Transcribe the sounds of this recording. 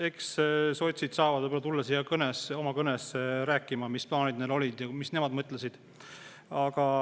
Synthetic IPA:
e̞ksso̞t̪ʲsid̪̥sɑːvɑd̪vɤblɑt̪ulːɑsiːɑkɤneso̞mɑkɤnesɾæːkːˑimɑmisplɑːnid̪̚nelo̞lʲid̪̥jɑmisne̞mɑd̪mɤt̪ːˑlesid̪̥ | ɑɡ̥ɑ

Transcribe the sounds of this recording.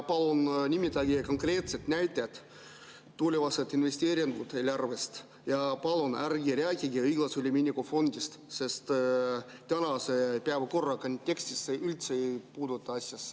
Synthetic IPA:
pɑlonnʲimʲit̪ɑɡʲikoŋkrʲeːt̪set̪nʲæjt̪ʲːæt̪ | t̪ːuolʲeʋɑset̪inʋʲesʲt̪ʲeːɾʲiŋɡut̪elʲærʋest̪ | jɑpɑlˠonærɡʲiɾʲeækʲiɡʲiɯjɡlˠɑsulʲimʲinʲikofonʲd̪ʲist̪sest̪ | t̪ʲænɑsepʲeæʋkorːɑkonʲt̪ʲːeksʲt̪ʲisːeylʲt̪sepuːd̪ot̪ːɑɑsʲːjɑs

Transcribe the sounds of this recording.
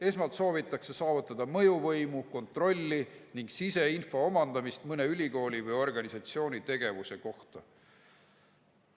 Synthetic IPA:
e̞smɑlt̪so̞ːvit̪ːˑɑkse̞sɑːvut̪ːˑɑd̪̥ɑmɤ̞juvɤjmuko̞nt̪ro̞lʲːiniŋɡsise̞info̞omɑnd̪̥ɑmist̪mɤne̞ylʲiko̞ːlʲivɤjo̞rɡ̥ɑnisɑt̪sio̞ːnʲit̪e̞ɡ̥e̞vuse̞ko̞ht̪ɑ

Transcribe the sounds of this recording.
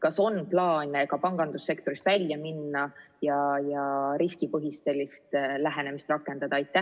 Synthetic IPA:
kɑso̞nplɑːnʲekɑpɑŋɡ̥ɑnd̪̥usːe̞kt̪o̞ɾist̪vælʲjɑminːɑjɑjɑɾiskipɤɦist̪se̞lʲːist̪læɦe̞ne̞mist̪rɑkːˑe̞nd̪̥ɑd̪ɑɑjt̪ːˑæ

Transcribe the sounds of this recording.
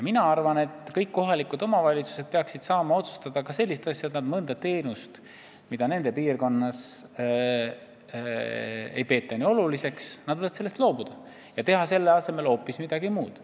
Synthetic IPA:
jɑminɑɑrvɑne̞t̪ːˑkɤjkːo̞ɦɑlikˑud̪o̞mɑvɑlʲit̪su̥sed̪̥̚pe̞ɑksid̪̥sɑːmɑo̞t̪su̥st̪ɑd̪̥ɑkɑse̞lːis̬t̪ɑsʲjɑet̪nɑd̪̥mɤnd̪ɑt̪e̞ːnust̪ | mid̪̥ɑne̞nd̪̥e̞piːrko̞nːɑs | e̞̰jpe̞ːt̪ːˑɑnʲio̞lulise̞ksnɑd̪vɤjɑd̪selːest̪lo̞ːbud̪̥ɑ | jɑt̪e̞ɦɑse̞lːeɑse̞me̞lo̞ːpːˑismid̪̥ɑɡ̥imuːd̪̥

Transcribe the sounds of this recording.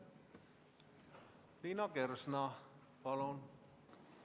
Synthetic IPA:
linɑkersnɑ | pɑlon

